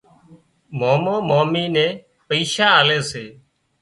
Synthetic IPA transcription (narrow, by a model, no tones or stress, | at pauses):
moːmõːmoːmiːnẽː | pəiːʃaːaːleːseː